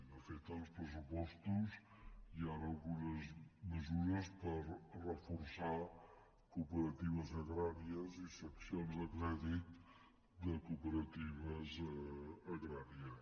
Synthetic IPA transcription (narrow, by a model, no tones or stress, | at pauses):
nɐfet̪auʃpɾɨs̬upɔʃt̪uz | iaɾalˠɣunɐzmɨzuɾɐʃpɐɾrəfuɾsaɾ | kupəɾɐt̪iβɐzɐɣɾaɾiɐzisɐksjõnzɐkɾɛðit̪ | d̪ɐkupəɾɐt̪ivɐz | ɐɣɾaɾjiɐ